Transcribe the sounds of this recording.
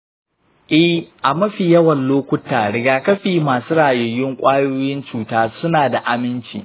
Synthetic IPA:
ʔɪ˦hʔa˨mɐ˦ɸiː˨jɐ˦wɐ˨nloː˦kʷʊ˦taː˨ɽɪ˨ɡaː˨kɐ˦ɸiː˨maː˨suː˦ɽaː˨joː˨jɪ˦ŋkʷʼaː˦joː˦jɪ˦nt͡ʃuː˨taː˦sʊ˦naː˨da˨ʔa˨mɪ˦nt͡ʃḭː˨

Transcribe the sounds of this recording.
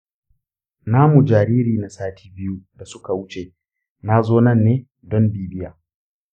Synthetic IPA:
naː˦mu˨d͡ʒaː˨ɾiː˦ɾiː˨na˨saː˦tʰiː˦bɪ˦ju˦da˨sʊ˦ka˨wʊ˦t͡ʃeː˨ | na˦zoː˦nɐ˦nːeː˦ | dɔ˦mbiː˦bɪ˦jaː˨

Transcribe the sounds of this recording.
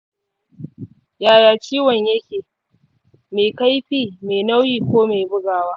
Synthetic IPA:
jaː˨jaː˨t͡ʃʲiː˦wɐ˨ɲjɐ˦kʲeː˨ | meː˨ka˦jɸiː˦meː˨na˦wjiː˨kʷoː˦me˨bʊ˦ɡaː˨waː˦

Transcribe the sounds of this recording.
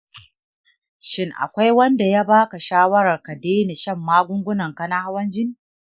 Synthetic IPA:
ʃɪ˦ŋʔa̰˨kʷa˦jwɐ˦nda˨ja˦baː˦ka˨ʃaː˦wɐ˦ɾɐ˨rka˨deː˦ne˨ʃɐ˦˨mːaː˦ɡʷʊ˦ŋɡʷʊ˦nɐ˨ŋkɐ˦na˦ha˦wɐ˦nd͡ʒɪ˦niː˨

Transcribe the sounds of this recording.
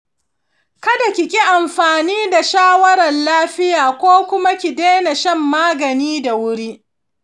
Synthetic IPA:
kɐ˦da˨kʲɪ˨kʲi˦ʔa˨mɸaː˨niː˦da˨ʃaː˦wɐ˦ɾɐ˨nlaː˦ɸɪ˦jaː˨kʷoː˦kʷʊ˦ma˦kʲi˨deː˦na˨ʃɐ˦mːaː˦ɡɐ˨niː˦da˨wʊ˦ɽi˦ʔ

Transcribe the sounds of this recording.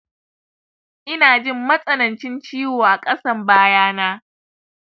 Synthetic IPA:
ʔɪ˦naː˨d͡ʒɪ˦˨mːɐ˦sʼɐ˦nɐ˨nt͡ʃɪ˦nt͡ʃiː˦woː˨ʔa˨kʼɐ˦sɐ˦mbaː˦jaː˦naː˦

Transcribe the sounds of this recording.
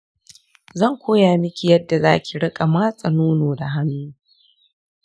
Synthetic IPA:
zɐ˦˨ŋkʷoː˦jaː˨mɪ˦kʲi˨jɐ˦dːa˨zaː˦kʲi˨ɽɪ˦kʼa˨maː˦sʼɐ˨nuː˦noː˨da˨ɦa˦nːuː˦

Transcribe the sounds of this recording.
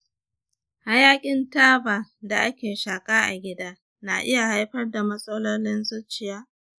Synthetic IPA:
ha˦jaː˦kʲʼɪ˦ntaː˦baː˨da˨ʔa˦kʲeː˨ʃaː˨kʼaː˦ʔa̰˨ɡʲɪ˦daː˦ | na̰ː˨ʔɪ˦ja˨ha˦jɸɐ˦rda˨mɐ˦sʼɐ˦lo˦lɪ˦nzʊ˦t͡ʃɪ˨jaː˦

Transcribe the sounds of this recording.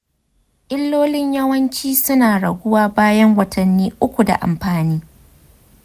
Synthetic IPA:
ʔɪ˦lːoː˦lɪ˦ɲjɐ˦wɐ˦nt͡ʃiː˦sʊ˦naː˨ɽɐ˨ɡʷʊ˦waː˦baː˦jɐ˦ŋwɐ˨tʰɐ˨nːiː˦ʔʊ˦kʷu˨da̰˨ʔa̰˨mɸaː˨niː˦

